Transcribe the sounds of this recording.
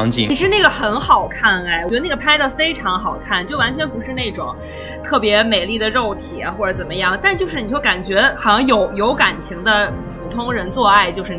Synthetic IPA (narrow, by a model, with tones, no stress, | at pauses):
ŋt͡ɕi˧˥i˥ʂɻ̩˥˧na˥˩ɡə˩xə˧˥nxɑ˨˩ʊkʰa˥˩nɛ˥˩ɪwə˧˥˩ɡə˩pʰa˥ɪd̪ə˧˩fe˥ɪʈ͡ʂʰɑ˧˥ŋxɑ˨˩ʊkʰa˥˩nt͡ɕjo˥˩ʊwa˧˥nt͡ɕʰɥɛ˧˥npu˧˥ʂɻ̩˥˧ne˥˩ɪʈ͡ʂʊ˨˩ŋ | t̪ʰɤ˥˩pjɛ˧˥me˨˩ɪli˥˩d̪ə˩ɻo˥˩ʊt̪ʰḭ˨˩˦xwɔ˥˩ʈ͡ʂɤ˧˥t͡sə˨˩mə˦jɑ˥˩ŋt̪a˥˧nt͡ɕjo˥˧ʊʂɻ̩˥˩i˨˩jo˥˩ka˨˩nt͡ɕɥɛ˧˥xɑ˨˩ʊɕɑ˧˥ŋjo˧˥ʊjo˧˥ʊka˨˩nt͡ɕʰi˧˥ŋd̪ə˧pʰu˨˥t̪ʰʊ˥ŋɻə˧˥nt͡swɔ˥˧a˥˩ɪt͡ɕjo˥˧ʊʂɻ̩˥˧˥